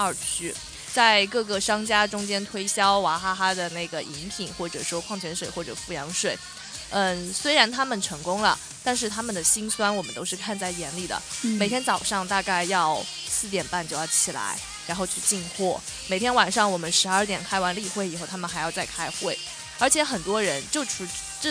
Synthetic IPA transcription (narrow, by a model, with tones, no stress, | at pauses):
ə˞˥˨˩t͡ɕʰy˥ | t͡sa˥˧ɪkɤ˥˩kə˩ʂɑ˥ŋt͡ɕja˥ʈ͡ʂʊ˥ŋt͡ɕjɛ˥nt̪ʰwe˥ɪɕjɑ˥ʊwa˧˥xa˥xa˥d̪ə˨na˥˩ɪɡə˩ʔi˧˥npʰi˨˩˦ŋxwɔ˥˩ʈ͡ʂɤ˨˩ʂwɔ˥kʰwɑ˥˩ŋt͡ɕʰɥɛ˧˥nʂwe˨˩ɪxwɔ˥˩ʈ͡ʂɤ̰˨˩fu˥˩jɑ˧˥ŋʂwe˥˩ɪ | ə˥˧˩swe˥ɪɻa˧˥nt̪ʰa˥mə˨nʈ͡ʂʰɤ˧˥ŋkʊ˥ŋlə̰˨˩ | t̪a˥˧nʂɻ̩˥˩t̪ʰa˥mə˨nd̪ə˩ɕi˥nswa˥nwɔ˨˩mə˦nt̪o˥ʊʂɻ̩˥˧kʰa˥˧nt͡sa˥˩ɪjɛ˧˥nli˨˩d̪ə̰˩me˨˩ɪt̪ʰjɛ˥nt͡sɑ˨˩ʊʂɑ˥˧ŋt̪a˥˧ka˥˧ɪjɑ˥˧ʊ | sɹ̩˥˩t̪jɛ˨˩npa˥˧nt͡ɕjʊjɑ˥˩ʊt͡ɕʰi˨˩la̰˧˥ɪ | ɻa˧˥nxo˥˧ʊt͡ɕʰy˥˧t͡ɕi˥˧ŋxwɔ˥˩ | me˨˩t̪ʰjɛ˥nwa˨˩nʂɑ˥˩ŋwɔ˨˩mə˦nʂɻ̩˧˥ə˞˥˩t̪jɛ˨˩nkʰa˥ɪwa˧˥nli˥˧xwe˥˩ɪi˨˩xo˥˩ʊa˥mə˨xa˧˥ɪjɑ˥˧ʊt͡sa˥˩ɪkʰa˥ɪxwe˥˩ɪ | ə˞˧˥t͡ɕʰjɛ˧˥xə˨˩nt̪wɔ˥ɻə˧˥nt͡ɕjo˥˩ʊʈ͡ʂʰu˧˥ʈ͡ʂ